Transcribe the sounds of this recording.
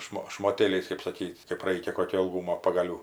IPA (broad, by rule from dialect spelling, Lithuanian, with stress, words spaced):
ˈʃmoː ʃmoːˈtʲeːlʲɛɪs kɜp sɐˈkʲiːtʲ kɜp ˈrɐɪkʲɛ ˈkoːkʲoː ɪlˠˈɡuːmoː pɐɡɐˈlʲuː